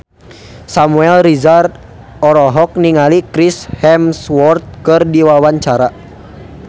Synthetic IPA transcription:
samuɛlrizart̪̚ | ɔɾɔɦɔk̚niŋalikɾishɛmswɔrt̪̚kɨrdiwawaɲt͡ʃaɾa

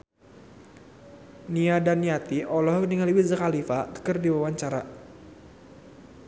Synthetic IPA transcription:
niadanːijat̪iʔɔlɔhkniŋaliwizəkalifat̪ə̥kərdiwawaɲt͡ʃaɾa

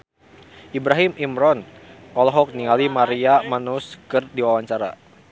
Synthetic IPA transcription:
ʔibɾaɦimimɾɔnɔlɔɦɔk̚niŋalimaɾiamanuskɨrdiwawaɲt͡ʃaɾa̰

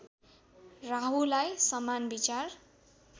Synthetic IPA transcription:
raɦulajsʌmanbit͡sar

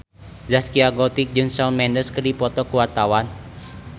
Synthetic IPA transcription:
zaskiaɡɔt̪ik̚d͡ʒɨŋsɔlmɛndəskərdipɔt̪ɔkuwat̪awan

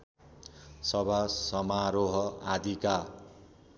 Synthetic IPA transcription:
sʌbʱasʌmaɾoɦʌad̪ʱika

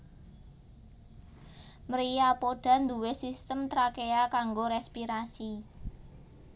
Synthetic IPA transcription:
mɾijapoɖ̥ä̤nd̪uwesist̪əmt̪ɾakeakaŋɡoɾɛspiɾasi

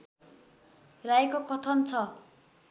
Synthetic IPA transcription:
rajkokʌt̪ʰʌnt͡sʰʌ

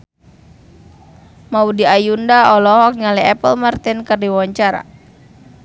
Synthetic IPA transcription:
maudiajundaɔlɔɦɔk̚ɲalɛɛpəlmart̪inkərdiwawaɲt͡ʃaɾa̰

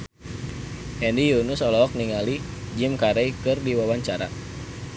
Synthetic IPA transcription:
ʔɛndijunusɔlɔɔk̚niŋalid͡ʒimkaɾejkɨrdiwawaɲt͡ʃaɾa̰

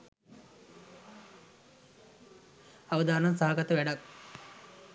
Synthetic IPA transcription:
aʋəd̪aːnansaɦaɡat̪əʋæɖak̚

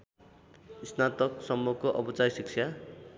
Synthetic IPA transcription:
isnat̪ʌksʌmːukoʔʌbʌt͡sajsikt͡sʰja

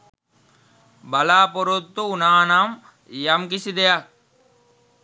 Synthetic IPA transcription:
bɐlaːpoɾut̪ːuːnaːnam | jɐmkisid̪ejak̚

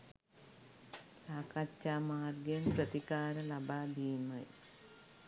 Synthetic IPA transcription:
saːkɐt͡ɕːamaːrɡenprɐd̪ikaːɾɐlɐbad̪iːmɐj

